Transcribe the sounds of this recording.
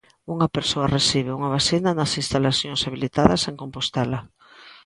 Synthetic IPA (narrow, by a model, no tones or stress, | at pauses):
uŋapeɾsoɐresiβeuŋaβasinɐnɐsinst̪alaθjõŋsaβilit̪aðɐseŋkompost̪ɛla